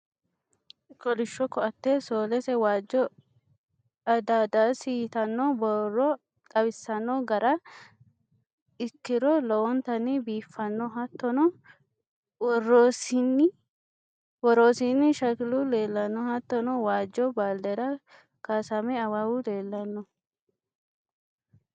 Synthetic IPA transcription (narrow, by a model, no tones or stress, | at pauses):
kɔlɪʃːɔkːɔɐt̪ːeːsoːlɛsɛwaːd͡ʒːɔ | ɐd̪aːd̪asit̪ɐnːɔbɔrːɔ | t̪ʼɐβɪsːɐnːɔɡɐɾɐ | ɪkːɪɾɔlɔwɔnt̪ɐnɪbiːfːɐnːɔɦɐt̪ːɔnɔ | wɔrːoːsɪnːɪ | wɔɾoːsinːɪʃɐkɪlʊleːlːɐnːɔhɐt̪ːɔnɔwaːd͡ʒːɔbaːld̪ɛɾɐ | kasɐmɛɐwawʊleːlːɐnːɔ